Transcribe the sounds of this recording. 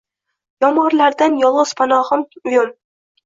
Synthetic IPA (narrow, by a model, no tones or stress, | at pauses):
jɒmɒɾlaɾd̪anjɒlˠʁɨz̥pʰanɒʁɨmʊjʊm